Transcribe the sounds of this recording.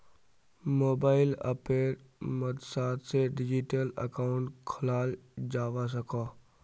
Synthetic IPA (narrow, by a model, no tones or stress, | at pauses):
moːbaːɪlə̰peːɾ | məd̪saːt̪seɖɪd͡ʒɪʈələ̰kaːʊ̃ɳʈkʰəlaːld͡ʒaːʋas̬əkaː